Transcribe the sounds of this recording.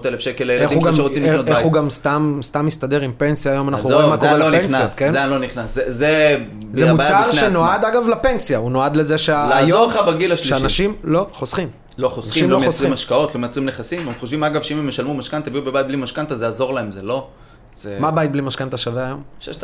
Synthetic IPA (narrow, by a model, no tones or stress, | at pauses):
ot̪elefʃekeleelediuɡameʁoimleoeuɡamst̪amst̪amist̪ade̞ʁimpe̞nsjaːjo̞manaχnuimakoʁelpennnjakenanloniχnaszeze | zemut͡saʁenoad̪aɡavlape̞nsjauno̞ad̪lezeʃealaajooabeɡilaʃliʃeanaʃimlo̞χosχim | loχosanaʃʃimloosʁiimaʃkao̞t̪lomeat͡sʁimneχasimemχoʃvimaɡavʃeimemjeʃalmumaʃkant̪eviubebajt̚blimaʃkant̪azeazo̞ʁlaemzelo̞ | zmabajt̪̚blimaʃkant̪aʃaveaːjo̞mʃeʃ